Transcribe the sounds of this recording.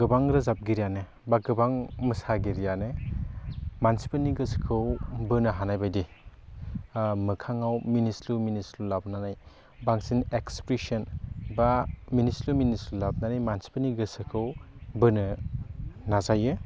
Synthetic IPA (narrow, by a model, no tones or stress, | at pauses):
ɡɯbaŋɾɯzap̚ɡiɾijanɯ | baɡɯbaŋməsaɡiɾijanɯ | mansi̥pɐniɡɯskʰɯwbɯnɯɦanajbajdi | mɯkʰaŋawminisluminislulab̚nanaj | baŋsinekspɾisɐnbaminisluminislulab̚nanajmansi̥pɐniɡɯsɯkʰɯwbɯnɯ | nazajɯ